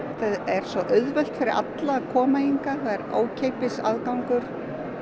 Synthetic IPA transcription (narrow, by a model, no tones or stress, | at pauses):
θaðɛɾ̥svɔʔœɥðvœl̥t̪fɪɾɪɾʔa̰t̪lakʰɔːmajiŋkaθaðɛɾo̰ːwcʰejpɪsa̰ðkawŋkʏɾ̥